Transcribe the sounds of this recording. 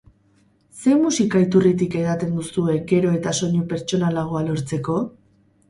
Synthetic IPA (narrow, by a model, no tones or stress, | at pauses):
se̞musikait̪urit̪̬ike̞ɣat̪e̞nd̪usue̞ke̞ɾo̞e̞t̪aso̞ɲupe̞ɾt͡ʃo̞nalaɣ̞oalo̞ɾt͡se̞ko̞